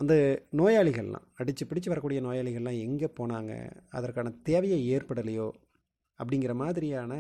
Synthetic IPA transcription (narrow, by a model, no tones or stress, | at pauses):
ʔɐnd̪ɐnoːjaːɭɪɣɐɭ̰lã̰ːɐɽɪt͡ʃːɯpɪɽɪt͡ʃːɯʋɐɾɐkːuːɽɪjɐnoːjaːɭɪɣɐɭɛlãːɛŋɡeːpoːnaːŋɡɐ̰ɐ̰ðɐrkːaːnɐt̪eːʋɐjɐeːrpɐɽɐlɐjoː | ɐpːɐɽɪŋɡɪɾɐmaːðɪɾɪjaːnɐ